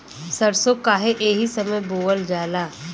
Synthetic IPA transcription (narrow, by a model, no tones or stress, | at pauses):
sɐɾsokaːɦeʔeːɦisɐməjboːʋəld͡ʒaːlaː